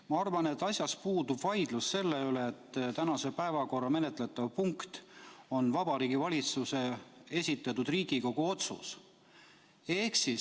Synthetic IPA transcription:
mɑɑrvɑne̞t̪ːˑɑsʲjɑspuːd̪ub̥vɑjd̪̥lusse̞lːe̞yleːt̪ːt̪ænɑsepæevɑko̞rːɑme̞net̪ˑle̞t̪ːˑɑvpuŋkt̪o̞nvɑb̥ɑɾiːɡ̥ivɑlʲit̪suse̞e̞sʲit̪ːˑɑt̪ːud̪̥riːɡ̥iko̞ɡ̥uo̞t̪sṵs | e̞hksi

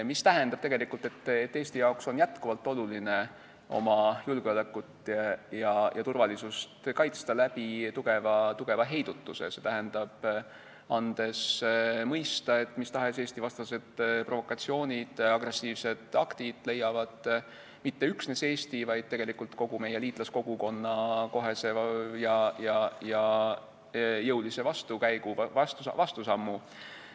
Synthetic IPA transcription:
mist̪æɦend̪̥ɑb̥t̪e̞ɡ̥e̞likːˑult̪ˑe̞t̪ːet̪ːeːst̪ijɑokso̞njæt̪kuvɑlt̪ːˑo̞luline̞ | o̞̰mɑjulɡ̥eo̞lekːˑut̪ːˑjɑjʔɑt̪urvɑlisust̪kɑjt̪st̪ɑlæb̥it̪uɡ̥e̞vɑt̪uɡ̥e̞vɑɦe̞jd̪̥ut̪ːuse̞̰se̞t̪æɦend̪̥ɑb̥ | ɑnd̪̥e̞smɤjst̪ɑe̞t̪ːˑmist̪ɑɦe̞se̞ːst̪ivɑst̪ɑse̞d̪̥pro̞vo̞kːˑɑt̪sio̞ːnʲid̪̥ɑɡ̥re̞sːiːvse̞d̪̥ɑkt̪id̪̥le̞jːɑvɑd̪̥ | mit̪ːe̞yksneseːst̪ivɑjd̪̥̚t̪e̞ɡ̥e̞likˑult̪ko̞ɡ̥ume̞jeliːt̪ˑlɑsko̞ɡ̥uko̞nːɑko̞ɦe̞se̞jɑjɑjɑ | jɤwlise̞vɑst̪ukæjɡ̥uɑst̪uvɑst̪usɑmːu

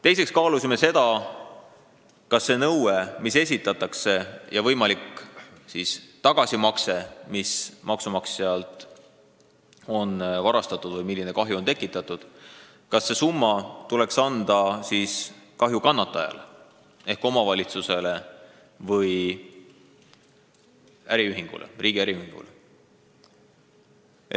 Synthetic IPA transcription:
t̪e̞jse̞kskɑːlusime̞se̞d̪̥ɑ | kɑsːe̞nɤwemise̞s̬ʲit̪ːˑɑt̪ːˑɑkse̞jɑvɤjmɑlikːsist̪ɑɡ̥ɑsimɑkse̞mismɑksumɑkseɑlt̪ˑ | o̞nvɑɾɑst̪ɑt̪ːˑud̪̥vɤjmilːine̞kɑɦjuo̞nt̪e̞kːˑit̪ːˑɑt̪ːˑud̪̥ | kɑsːe̞sumːɑt̪ule̞ksɑnd̪̥ɑsiːskɑɦjukɑnːɑt̪ːˑɑjɑ̰le | e̞hko̞mɑvɑlʲit̪suse̞le̞ | vɤj | æɾiyɦiŋɡ̥ṵlʔḛrʔiːɡ̥iæɾiyhiŋɡ̥ṵle

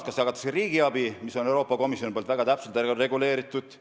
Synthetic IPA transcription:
t̪kɑst̪jɑkɑt̪ːˑɑ̥seɾiːɡiɑbimiso̞ne̞wɾo̞ːpːɑko̞misjoipolt̪væɡ̥ɑt̪æpselt̪reɡule̞ːɾit̪ːˑud̪̥

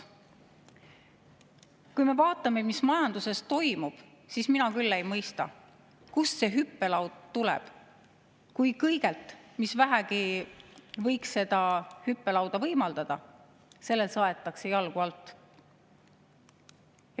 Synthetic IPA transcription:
kujme̞vɑːt̪ːˑɑme̞mismɑjɑnd̪use̞st̪o̞jmub̥ | siːsminɑkylːe̞jmɤjst̪ɑ̰ | kusse̞ɦypːe̞lɑwd̪̥t̪ulɛ̰b̥ | kujkɤjɡe̞lt̪misvæɦæɡi | vɤ̞jksːe̞d̪̥ɑhypːe̞lɑwd̪̥ɑvɤjmɑld̪̥ɑd̪̥ɑ | se̞lːelsɑe̞t̪ːˑɑkse̞jɑlɡ̥uɑlt̪ˑː

